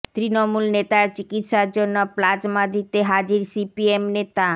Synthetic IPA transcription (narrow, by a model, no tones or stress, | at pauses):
t̪ɾinomulnet̪aɾt͡ɕikit̪ʃaɾd͡ʑonːoplad͡ʑmad̪it̪eɦad͡ʑiɾsipiemnet̪a